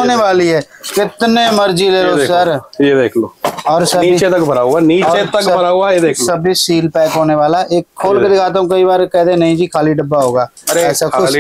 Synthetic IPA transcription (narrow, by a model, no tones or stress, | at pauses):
oːneʋaːliɦɛː | kɪt̪nemɐɾd͡ʒileːɾoːsɐɾjed̪eːkʰloːɔːɾsɐːit͡ʃet̪ɐkbʱɐɾaːuaniːɔt͡ʃːet̪ɐkbʱɐɾaːuajed̪eːkʰːɐbʱisiːlpɛːkɦoːneʋaːlaʔeːkʰːoːlked̪ɪkʰaːt̪̬eũkɐibaːɾkɛːd̪enɐɦĩd͡ʒiːkʰaːliɖɐbːaɦoːɡaː | ɛːsak